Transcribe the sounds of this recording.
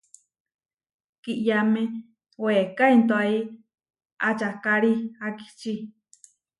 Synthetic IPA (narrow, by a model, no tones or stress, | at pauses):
kiʔjamẽ | wekaint̪oai | at͡ʃakaɾiaki̥t͡ʃi